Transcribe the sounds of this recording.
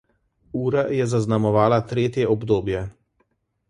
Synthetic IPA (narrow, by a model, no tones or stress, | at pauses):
uːɾajɛzaznamɔʋaːlat̪ɾeːt̪jɛɔbd̪oːbjɛ